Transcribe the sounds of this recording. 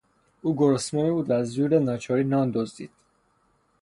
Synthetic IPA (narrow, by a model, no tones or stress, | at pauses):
uːɡoɾosmɔnibuːd̪æzd̪uːɾenɒːt͡ʃʰɒːɾiːnɒːnd̪ozd̪ḭːd̪̥